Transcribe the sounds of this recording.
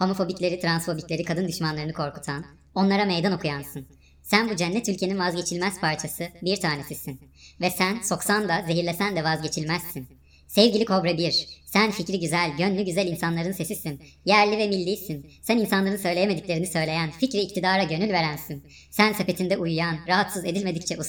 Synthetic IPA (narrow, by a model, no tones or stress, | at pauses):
ho̞mo̞fo̞biclʲe̞ɾit̪ʰɾansfo̞biclʲe̞ɾikʰad̪ɯnd̪yʃmanlˠaɾɯnɯkʰo̞ɾkʰu̥t̪ʰan | o̞nlˠaɾamejd̪ano̞kʰujansɯn | sænbud͡ʒɛnːɛt̪ylʲcʰeninvazɟe̞t͡ʃʰilʲmæz̥pʰaɾt͡ʃʰasɯbiɾt̪ʰaːne̞sisinvɛsænso̞ksand̪aze̞ɦiɾlʲesænd̪ɛvazɟe̞t͡ʃʰilʲmæzsin | sɛvɟilʲikʰo̞bɾabiɾsænficɾiɟyzælʲɟønlʲyɟyzælʲinsanlˠaɾɯnse̞sisinjæɾlʲivɛmilʲːiːsinsæninsanlˠaɾɯnsø̞jlʲejeme̞d̪iclʲe̞ɾinisø̞jlʲe̞jænficɾiːc̚t̪ʰid̪aːɾaɟø̞nylʲve̞ɾænsin | sænsepe̞t̪ʰind̪ɛʔujujanɾaɦat̪sɯze̞d̪ilʲme̞d̪ict͡ʃʰɛʔu